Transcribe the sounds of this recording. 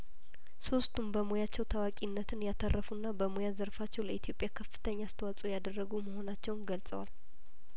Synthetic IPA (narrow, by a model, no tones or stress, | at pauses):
so̞st̪ʰumbəmojat͡ʃːɛwt̪ʰawakʼinːət̪ʰɨnjat̪ʰərːəfunːabəmojazəɾfat͡ʃːɛwləit̪ʰjo̞pʼjakʰəfːɨ̥t̪ʰəɲːast̪ʰəwat͡sʼujad̪ərːəɡuməho̞nat͡ʃːɛwnɡəlsʼə̰wal